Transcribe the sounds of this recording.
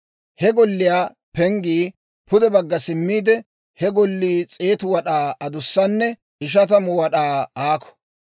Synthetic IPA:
hɛɡɔlːɪjaː | pɛŋɡiː | pʊd̪ɛbɐɡːɐsɪmːiːd̪ɛ | hɛɡɔlːiːt͡sʼeːt̪ʊwɐɗaːɐd̪ʊsːɐnːɛ | ɪʃ̬ɐt̪ɐmʊwɐɗaːaːkɔ̥

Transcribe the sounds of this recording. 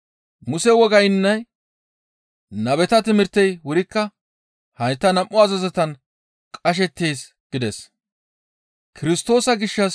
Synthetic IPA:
mʊsɛwɔɡɐjɪnːɐj | nɐbɛt̪ɐt̪ɪmɪɾt̪ːɛjwʊɾɪkːɐ | hɐjt̪ːɐnɐmʔːʊɐzɐzɛt̪ɐn | kʼɐʃ̬ɛt̪ːe̞ːs | ɡ̥ɪd̪ɛs | kʰɪɾɪst̪o̞ːsɐɡɪʃːɐs

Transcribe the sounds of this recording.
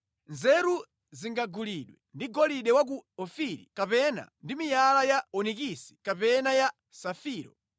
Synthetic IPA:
nzɛɾu | ziŋɡaɡuliɗwɛndiɡɔliɗɛwak̬uɔfiɾḭkapɛna̰ndimijalajaɔnikisi̥kapɛnaja | safiːɾɔ

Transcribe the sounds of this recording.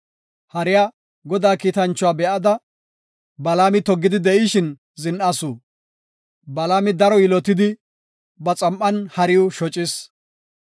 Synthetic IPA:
hɐɾɪjaː | ɡɔd̪aːkiːt̪ɐnt͡ʃːɔwaːbɛʔɐd̪ɐ | bɐlaːmɪt̪ɔɡːɪd̪ɪd̪ɛʔɪʃɪn | zɪnʔasuː | bɐlaːmɪd̪ɐɾɔjɪlɔt̪ɪd̪ɪ | bɐt͡sʼɐmʔːɐnhɐɾɪjʊʃɔt͡ʃʼɪs

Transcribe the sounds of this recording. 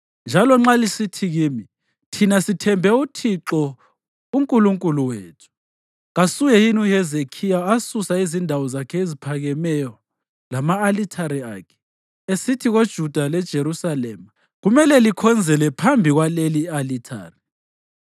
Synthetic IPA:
nd͡ʒʱalɔŋ͡ǁalisitʰiɣiːmi | tʰinasitʰɛmbʱɛutʰiǁɔ | uŋkʼuluŋkʼuluweːtʰu̥ | ɣasujɛjinuhɛzekʰijaasusaizindʱawɔzakʰɛezipʰaɣɛmɛjɔ | lamaːlitʰaɾia̰ːkʰɛ̥ | esitʰiɣod̥ʒ̥ʱud̥ʱalɛd̥ʒ̥ʱeɾusalɛma | ɣumɛlɛlikʰɔnd͡zʱɛlɛpʰambʱiɣwalelialitʰa̰ːri

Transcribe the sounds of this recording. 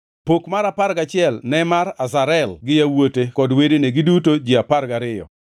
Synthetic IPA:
pokmaɾapaɾɡat͡ʃɪɛlnɛmaɾazaɾɛlɡɪjawotekɔdwedeneɡɪdutod͡ʒiapaɾɡaɾɪjɔ̰

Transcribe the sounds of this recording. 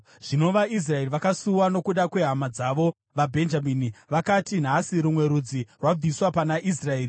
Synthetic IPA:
ʐ̥ino̞ʋais̬rae̞riʋakasuwano̞kuɗakwe̞ɦamad͡zaʋo̞ | ʋabʱe̞nd͡ʒaminiʋakatin̤asiɾumwe̞ɾud͡zirwab͡viswapanaʔisrae̞ːri

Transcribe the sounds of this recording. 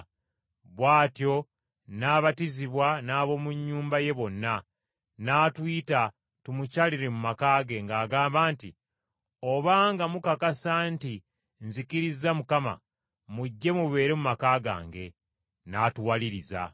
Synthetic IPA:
βwaːtjo̞ | naːβatiziβwanaːβo̞muɲːuːmbaje̞βo̞nːa | naːtwiːta | tumucaːliɾe̞mumakaːɡe̞ŋɡaːɡaːmbaːnti | o̞βaːŋɡamukakasanti | nzikiɾizamukama̰ | muɟːe̞muβe̞ːɾe̞mumakaːɡa̰ːŋɡe̞ | naːtuwaliɾiza̰

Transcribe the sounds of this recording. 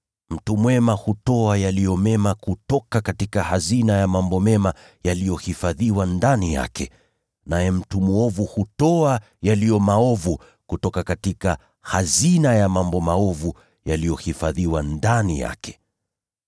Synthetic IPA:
m̩tumwɛmahutɔajalijɔmɛmakutɔkakatikahazinajamambɔmɛma | jalijɔhifaðiwandanija̰kʰɛ | najɛm̩tumuɔvuhutɔa | jalijɔmaɔvu | kutɔkakatika | hazinajamambɔmaɔvu | jalijɔhifaðiwandanija̰kɛ̥

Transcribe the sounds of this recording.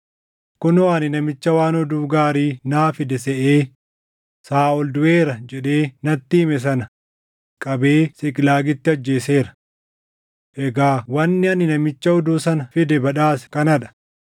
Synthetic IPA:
kʊnɔaːnɪnɐmɪt͡ʃːɐwaːnɔd̪uːɡaːɾiːnaːfɪd̪ɛsɛʔeː | saːɔld̪ʊeːɾɐd͡ʒɛᶑe̞ːnɐt̪ːiːmɛs̬ɐnɐ | kʼɐbe̞ːsɪkʼɪlaːɡɪt̪ːɪɐd͡ʒːe̞ːse̞ːɾɐ̥ | ʔɛɡaːwɐnːɪɐnːɪnɐmɪt͡ʃːɐɔd̪uːsɐnɐfɪd̪ɛbɐᶑaːsɛ̥kɐnɐᶑɐ̥

